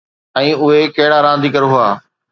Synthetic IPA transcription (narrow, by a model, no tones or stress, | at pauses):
ɛ̃ːʊɦekɐɦɪɽaːɾãːn̆d̪ʱiːkɐɾɦʊaː